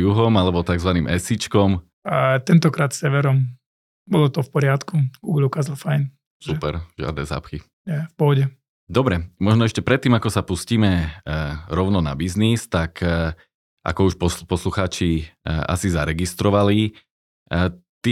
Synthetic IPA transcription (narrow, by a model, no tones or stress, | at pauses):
juɦɔmalɛbɔt̪aɡzʋaniːmɛsit͡ʃkɔm | at̪ɛnt̪ɔkɾaːt̪sɛʋɛɾɔm | bɔlɔt̪ɔfpɔɾɪat̪kuɡuːɡlukaːzalfajn | supɛɾʒɪa̰d̪nɛ̰ːza̰ːpxi | ɛfpɔɦɔɟɛ | d̪ɔbɾɛmɔʒnɔɛʃcɛpɾɛt̪ːiːmakɔsapusciːmɛ | ɾɔʊnɔna̰biznist̪ak | ʔa̰kɔuʃpɔpɔsluxaːt͡ʃia̰sizaɾɛɡist̪ɾɔʋali | t̪i